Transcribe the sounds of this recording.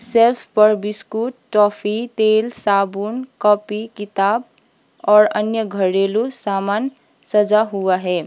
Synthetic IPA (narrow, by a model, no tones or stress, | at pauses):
sepʰpəɾbiskuʈːɔpʰit̪elsabunkɔpikit̪aːb | ɔːɾənjəɡʱəɾelusamaːn | səd͡ʒaɦuaɦɛ